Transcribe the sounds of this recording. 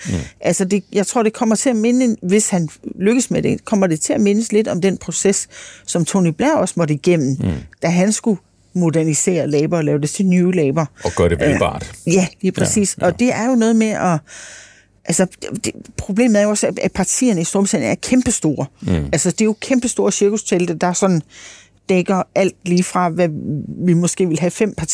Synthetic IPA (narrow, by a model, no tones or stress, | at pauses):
ʔælsɒd̥e̝jɑ̈ɪt͡sʰʁo̝ɐ̰d̥e̝kʰɒ̽m̰ɐt͡sʰe̝æme̝nəʋe̝shænløɡ̥əsmed̥e̝kʰɒ̽m̰ɐd̥e̝t͡sʰe̝æme̝nəsle̝d̥ɒ̽md̥enpʰʁo̝sessɒ̽mt͡sʰo̝nib̥læɐ̰ɒ̽smɒ̽ɾəiɡ̥em̰n̩d̥æɦænsɡ̥u | mo̝d̥æɐnise̝̰ːɐlɛːb̥ɐɒlɛːʊd̥e̝sʰinuːlɛːb̥ɐɒ̥ɶɐɾeʋɑ̰̈d̥jæliːpʰʁɛsḭːsɒ̽d̥e̝æɐjo̝nɔːð̞̩ˠmeʔɒ̽ | ʔælsɒ̥d̥pʰʁo̝b̥le̝̰ːməð̩ˠæɐjo̝ɒ̽sææpʰɑ̈t͡sʰḭːɐnəisd̥oːbsʰæ̰n̩æɐkʰemb̥əsd̥o̝ːɐælsɒd̥e̝jo̝kʰemb̥əsd̥o̝ːɐsiɐɡ̥ust͡sʰeld̥əd̥ɑ̈sɒ̽nn̩ | d̥eɡ̥ɐʔæl̰d̥liːfʁɑ̈ʋæʋimɒ̽sɡ̥e̝̰ːʋe̝lɦæfem̰pʰɑ̈t͡sʰ